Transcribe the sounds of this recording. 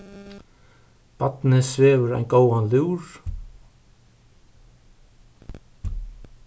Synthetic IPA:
pat̪nɪsveːvʏɾa̰jnɡoːwanljuːɹ

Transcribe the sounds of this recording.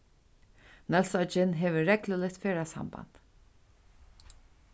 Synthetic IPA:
nɛlsɔt͡ʃɪnɦɛːʋəɹɛkləlɪt̪feːɾasa̰mba̰nt̪

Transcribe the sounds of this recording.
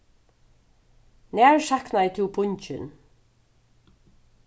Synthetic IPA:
næːɹʃaknaɛt̪ʰɪbʊɲt͡ʃɪn

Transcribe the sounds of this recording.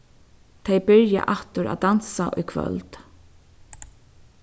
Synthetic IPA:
t̪ʰejbɪɹja̰ʔaht̪ʊɾʔa̰ːd̪ansaʔʊjkʰvœ̰lt̪

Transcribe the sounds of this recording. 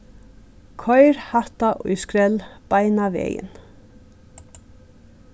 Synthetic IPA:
kʰɔjɾhat̪aʔʊjskɾɛlb̥ajnavḛːjɪ̰n

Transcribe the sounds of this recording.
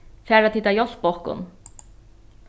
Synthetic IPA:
fæːɾat̪ʰɪt̪ːajɔsbɔkʊ̰n

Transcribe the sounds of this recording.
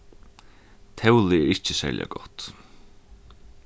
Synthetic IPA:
t̪ʰɛwlɪɛɹɪht͡ɕɪsæ̰ːɹlja̰ɡɔht̪

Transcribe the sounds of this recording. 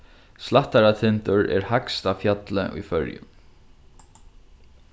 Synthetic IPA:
slaht̪aɾat̪ʰɪnt̪ʊɹɛ̰ɾhakst̪afjat̪lɪ̰ʔṵjfœ̰ɹjʊ̰

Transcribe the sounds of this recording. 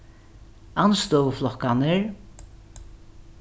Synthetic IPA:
anst̪ɔːwəflɔkanɪɹ

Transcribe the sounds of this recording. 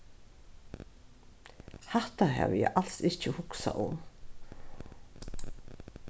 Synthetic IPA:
haht̪aɦæ̰ːʋjɛʔalsɪht͡ʃhʊksa̰ʔʊm

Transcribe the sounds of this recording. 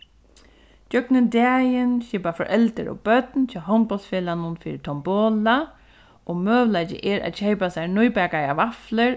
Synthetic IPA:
d͡ʒœknɪnd̪ɛːjɪnʃɪpafɔɹʔɛlt̪əɾɔ̰bœt̪nt͡ʃʰaɦɔnbɔlt̪sfɛːlanʊnfiːɾɪt̪ʰɔmbɔːla | ɔmœːʋlajt͡ɕɪ̰ʔɛɾa̰ðɕejpasajɹnʊjpɛːkajaʋaflɪɾ

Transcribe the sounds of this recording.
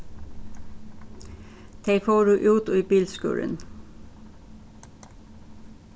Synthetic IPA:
d̪̥eɪfoːɖʉːʔʉːt̪oiːbiːlskʉ̰ːlə̰n

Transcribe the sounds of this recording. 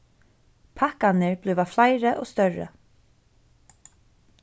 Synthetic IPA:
pʰahkanɪɹblʏvaflajɾəʔɔ̰st̪œɹə̰

